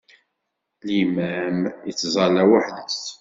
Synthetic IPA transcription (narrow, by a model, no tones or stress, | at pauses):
limæmjət͡sːzˤɑlæwaħðəst